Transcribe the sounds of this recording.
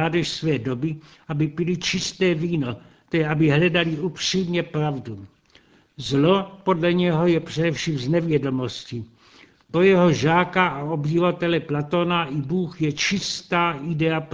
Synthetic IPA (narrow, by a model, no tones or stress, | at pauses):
aːdɛʃsvɛːdo̞bɪʔabɪpɪlit͡ʃɪst̪ɛːviːno̞ | t̪ɛjɛabɪɦlɛdaliupr̥iːmɲɛpɾavdu | zlo̞po̞dlɛɲɛɦo̞jɛpr̝̥ɛdɛfʃiːmznɛvjɛdo̞mo̞scɪ | pɾojɛɦo̞ʒaːkaao̞bɟɪvat̪ɛlɛplat̪onaʔibuːxjɛt͡ʃɪst̪aːʔɪdɛap